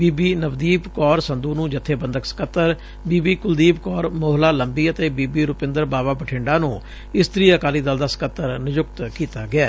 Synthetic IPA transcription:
biːbiːnəʋd̪iːbkɔːɾsənd̪uːnũːd͡ʒɪt̪ʰːeːbənd̪əksə̥kət̪ːəɾ | biːbiːkʊld̪iːpkɔːɾmoːɦlaːləmbiːət̪eːbiːbiːɾʊpɪ̃nd̪əɾbaːbaːbəʈʰẽːɳɖaːnũː | ɪst̪ɾiːəkaːliːd̪əld̪aːsə̥kət̪ːəɾnɪd͡ʒʊk̚t̪kiːt̪aːɡɪaː

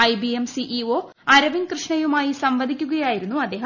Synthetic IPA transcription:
ɐjbiemsiʔioː | ɐɾɐʋinkrɨʂɳɐjumaːjisɐmʋɐd̪ʱikʲːuɣɐjaːjiɾunːuɐd̪ːe̞ːɦɐ

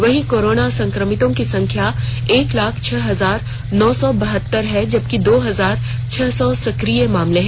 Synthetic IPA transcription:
ʋɐɦĩkoːɾoːnasɐ̃ŋkɾəmɪt̪õkisɐ̃ŋkʰjaeːklaːkʰt͡ʃʰɛːɦɐzaːɾ | nɔːsɔbɐɦət̪ːəɾɦɛd͡ʒɐb̚kid̪oːɦɐzaːɾ | t͡ʃʰɛːsɔsɐkɾijemaːmleɦɛ̃

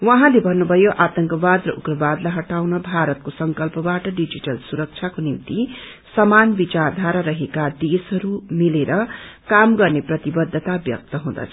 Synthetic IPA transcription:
wʌɦãlebʱʌnːubʱʌjoʔat̪ʌŋkʌbad̪rʌʔukrʌbad̪lajɦʌʈawnʌbʱaɾʌt̪̚kosʌŋkʌlpʌbaʈʌɖid͡ʒiʈʌlsuɾʌk̚t͡ʃʰjakonimt̪i | sʌmanbit͡sard̪ʱaɾʌɾʌɦekad̪esʌɾumileɾʌkamɡʌrneprʌt̪ibʌd̪ʱːʌt̪abjʌ̰k̚t̪ʌɦũd̪ʌ̰t͡sʰʌ̥

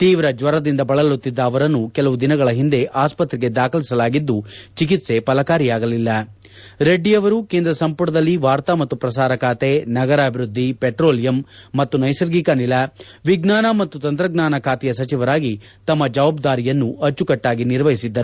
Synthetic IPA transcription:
t̪iːʋɾɐd͡ʒʋɐɾɐd̪ind̪ɐbɐɭɐlut̪ːid̪ːɐːʋɐɾɐnːukɛlɐʋud̪inɐɡɐɭɐɦind̪e̞ʔaːspɐt̪ɾiɡed̪aːkʰɐlisɐlaːɡid̪ːut͡ʃik̬it̪se̞pɐlɐkaːɾijaːɡɐlilːɐ | ɾe̞ɖːijɐʋɐɾukeːnd̪ɾɐsɐmpuʈɐd̪ɐlːiʋaːɾt̪ɐmɐt̪ːupɾɐsaːɾɐkʰaːt̪enɐɡɐɾaːbʱiɾud̪ʱːipeʈɾoːlijɐmːɐt̪ːunɐjsɐɾɡikanilɐ | ʋiɡnaːnɐmɐt̪ːut̪ɐnt̪ɾɐɡnaːnɐkʰaːt̪ɛjɐsɐt͡ʃiʋɐɾaːɡi | t̪ɐmːɐd͡ʒɐʋaːbd̪aːɾijɐnːuɐt͡ʃːukɐʈːaːɡiniɾʋɐɦisid̪ːɐɾu

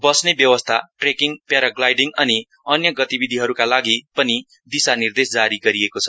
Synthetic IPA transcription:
bʌsnebjʌwʌst̪ʰaʈrekiŋpjaɾaɡlajɖiŋʌni | ʌnjʌɡʌt̪ibid̪ʱiɦʌɾukalaɡipʌni | d̪isanird̪esd͡zaɾiɡʌɾiekot͡sʰʌ

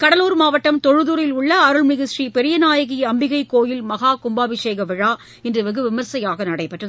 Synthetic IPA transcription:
kɐɽɐluːɾmaːʋɐʈːɐmt̪ɔɻɯðuːɾɪlʊɭːɐːɾɯɭmɪɣɪʂripɛɾɪjɐnaːjɐɣiɐmbɪɣɐɪkːoːjɪlmɐɣaːkʊmbaːʋɪʂeːɣɐʋɪɻaː | ɪndrɯʋɪɣɯʋɪmɐɾsɐjaːɣɐnɐɽɐɪpːɐʈrɐð

